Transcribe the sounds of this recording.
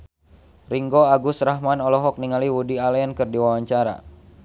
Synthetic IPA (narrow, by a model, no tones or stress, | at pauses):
riŋɡoaɡusraɦmanɔlɔɦɔk̚niŋaliwudialɛankɨrdiwawaɲt͡ʃaɾa̰